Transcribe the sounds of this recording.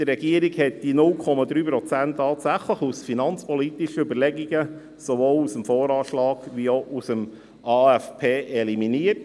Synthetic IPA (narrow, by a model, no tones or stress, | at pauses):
d̥əɾːɛɡiəɾiɡhɛt̚d̥inʊlkʰɔmɑd̪ɾyːpɾɔt͡sæntːɑːtsæχləχusfinɑnt͡spɔlitiʃəybəɾlɛɡiɡə | sovoːlusəmfoːɾɑːʃlɑːɡʋioʔusəm | ɑːɛfpʰeːʔɛliminiət